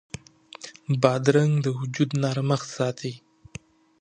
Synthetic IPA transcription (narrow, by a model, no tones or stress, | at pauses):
bɑd̪ɾaŋd̪əhʊd͡ʒud̪nɑɾməxsɑt̪ʰi